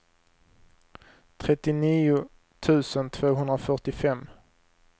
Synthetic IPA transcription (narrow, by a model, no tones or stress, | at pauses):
t̪ʰɾɛt̪ːɪniːʊ | t̪ʰʉ̟ːsənt̪ʰv̥oːɦɵnd̪ɾafœʈɪfɛmː